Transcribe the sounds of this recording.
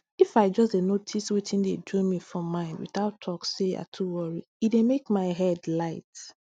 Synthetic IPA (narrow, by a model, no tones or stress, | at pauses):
ifaɪd͡ʒɔsdenotʰiswitʰĩndedɔ̃mifɹɔ̃mãɪ̃ndwḭθaʊtʰːɔksea̰tʰuwɔɹi | idemekmaɪɦɛdlaɪt